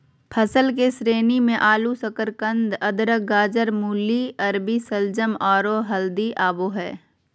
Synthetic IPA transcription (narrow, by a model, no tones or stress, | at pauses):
pʰɐsəlk̬esɾeːnimẽʔaːlusəkəɾkə̃nd̪ɐd̪ɾəɡaːd͡ʒəɾmuːliɐɾbisəld͡ʒəmɔːɾoɦɐld̪iʔaːboɦɛ̰ː